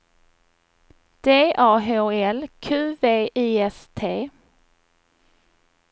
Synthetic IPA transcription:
d̪̥eːʔɑːɦoːɛlkʰʉːveːʔiːɛst̪ʰeː

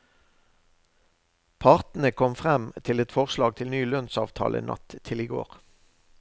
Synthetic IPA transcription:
pʰɑʁt̪n̩əkʰɔmfʁɛmt̪ʰɪlɛt̪fɔʁslɑːɡ̚t̪ʰɪlnyːlœnsɑ̰ːʋt̪ʰɑ̰ːlʔə̰nʔɑ̰t̪ʰːɪliːɡo̰ːʁ

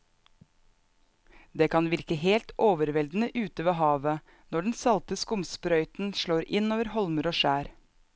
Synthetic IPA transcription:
d̪eːkʰɑnʋɪɾkəheːlt̪ʔoːʋəɾʋɛld̪n̩əʔʉːt̪əʋeːhɑːʋə | nɔɖɳ̩sɑlt̪əskʊmspɾœʏt̪n̩ʃɭoːɾɪnoːʋəɾhɔlməɾoːʃæːɾ

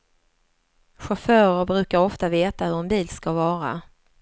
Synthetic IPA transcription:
ɧafœːɾəɾbɾʉ̟ːkaɾɔft̪aveːt̪ahɵɾɛnbiːlskavɑːɾa̰

